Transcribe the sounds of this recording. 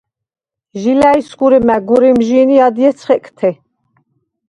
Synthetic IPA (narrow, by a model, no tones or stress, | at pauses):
ʒilaisɡuɾɛmæɡuɾɛmʒiniad̪jɛt̪t͡sʰχɛkʰʼt̪ʰɛ